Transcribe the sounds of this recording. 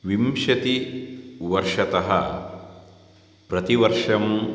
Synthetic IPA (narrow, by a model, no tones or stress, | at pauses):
ʋimʃɐt̪i | ʋɐɾʂɐt̪ɐɦɐ | pɾɐt̪iʋɐɾʂɐm